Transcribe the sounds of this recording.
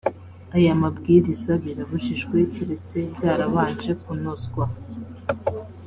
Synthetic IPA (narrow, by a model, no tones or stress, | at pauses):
ajamabɡiːɾizaβiɾaβuʃiʃɡweciɾit͡seizaːɾaβaːnt͡ʃekunozɡwa